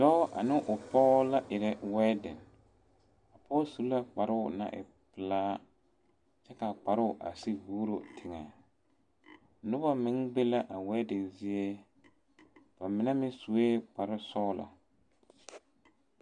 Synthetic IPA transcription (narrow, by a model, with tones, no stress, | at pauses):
dɔ˦ʔa̰˨nɪ˦ʔʊ˨pɔ˦la˦ʔɪ˨ɾɛ˦wɛː˦dɪ˨n | a˨pɔ˦su˨˦la˦k͡pa˨ɾɪ˦ʊ˨na̰˦ʔɪ̰˨ | pɪ˨laː˦ | t͡ʃɛ˦ka˨k͡pa˨ɾɪ˦ʊ˨ʔa̰˨sɪ˦buː˦ɾo˨tʰɪ˨ŋa˨ | nʊ˦ba˦mɪ˦ŋbe˦la˦ʔa˨wɛ˦dɪ˨nzɪ˦e˦ | b̥a˨mɪ˨na˦mɪ˦su˨e˦k͡pa˨ɾɪ˦sɔː˦la̰˨